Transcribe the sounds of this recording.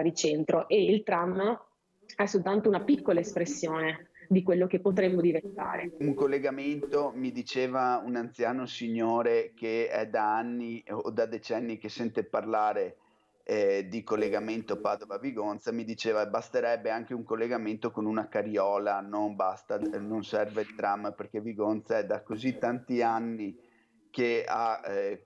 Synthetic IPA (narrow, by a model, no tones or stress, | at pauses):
aɾit͡ʃent̪ɾoʔeilt̪ɾamːa | ɛsːolt̪ant̪ounapikːolaespɾesːjoːned̪ikwelːok̟epːot̪ɾemːod̪ivent̪a̰ːɾeuŋkolːeɡament̪omid̪it͡ʃeːvaunant̪sjaːnosiɲːoːɾekeɛ̰d̪aanːiod̪ad̪et͡ʃɛnːik̟esɛnt̪eparlaːɾe | d̪ikolːeɡament̪opaːd̪ovaviɡont̪samid̪it͡ʃeːvabast̪eɾɛbːeaŋk̟euŋkolːeɡament̪okonunakaɾjɔːlanombast̪anonsɛrvelt̪ɾamːperk̟eviɡont̪saɛd̪akozit̪ːant̪ianːi | kea̰